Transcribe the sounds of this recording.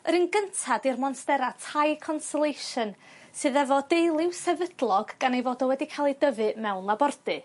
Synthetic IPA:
əɾɨnɡəntʰadirmɔnstɛɾatʰajkʰɔnsɔlˠejʃən | sɨːðɛvɔdejlˠɪwsɛvədlˠɔɡ̥ːanejvoːdɔwɛdikʰalˠidəvɨmɛwnlabɔrdɨ

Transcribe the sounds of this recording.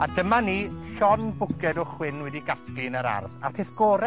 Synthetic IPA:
adəmaniɬɔnbʊkɛdɔχwɪnwɛdiɡasklinəɾa̰rðarpʰeθɡ̥ɔːɾɛ

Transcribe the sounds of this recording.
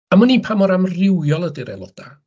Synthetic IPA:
amənipʰamɔɾamrɪwjɔlˠədɪɾɛ̰lˠɔ̰d̥a

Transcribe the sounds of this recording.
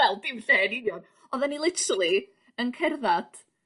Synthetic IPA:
ɛlˠdɪmɬɛnɪnjɔn | ɔðanilˠɪtɾəlˠi | ənkʰɛrðad̥

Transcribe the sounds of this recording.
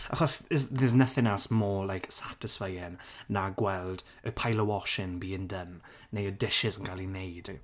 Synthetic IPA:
əχɔsɪzðɛznəθɪ̃ŋɛlˠsmɔːlajksatɪsfajɪnnaɡwɛlˠd | əpʰajlˠəwɔʃɪnbiːɪ̃ndənː | ejədɪʃɪzə̃nɡ̥alinejd̥

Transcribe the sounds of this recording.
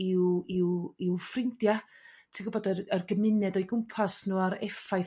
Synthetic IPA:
ɪwɪwɪwfrɪndja | tʰiɡʊbɔdərərɡəmɪnɛdɔjɡʊmpʰasnuːaɾɛfaj

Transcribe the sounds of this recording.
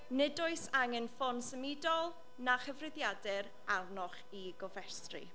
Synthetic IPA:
nɛdʊɨsaŋɪnfɔnsəmɪdɔlˠ | naχəvrɪðjadɪɾ | arnɔχ | iɡɔvɛstrḭ

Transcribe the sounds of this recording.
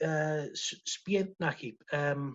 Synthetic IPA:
əːsspiɛntnakʰipəːm

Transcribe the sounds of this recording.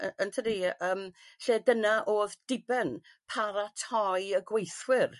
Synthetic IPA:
əəntʰədiəːmɬeːdənaʔoːðd̥ɪbɛn | pʰaɾatʰɔjəɡwejθwɪr

